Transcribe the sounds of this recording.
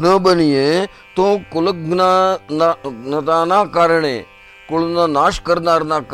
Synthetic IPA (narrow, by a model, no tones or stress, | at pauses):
nəɓənijẽː | t̪õːkʊləknananɐt̪aːnãːkaːɾəɽ̃ḛ̃ː | kʊlnãːnaːʃkəɾnaːɾnaːk